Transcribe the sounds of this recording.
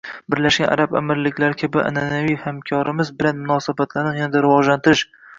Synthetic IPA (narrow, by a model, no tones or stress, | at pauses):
bɪɾlaʃɡʲana̰ɾaba̰mɪɾlɪkʲlaɾkʲʰabɪʔa̰nanavijhamkʲʰɒɾɪmɪzbɪlanmʊnɒsabat̪ʰlanɪnjanad̪aɾɪvɒʒlant̪ɪɾɪʃ